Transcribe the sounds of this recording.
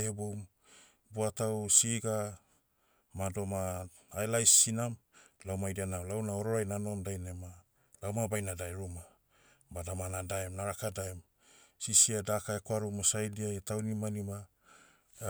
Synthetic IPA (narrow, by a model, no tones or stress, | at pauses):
ebom | buatawsiɡa | mado̞maː | jlajsinamlawmajdianawlawnaoɾo̞ɾajnano̞ndajnema | lawmabajnadajɾuma | badamanadaemnaɾakadaem | sisiadakaekwaɾumosajdiajtawnimanima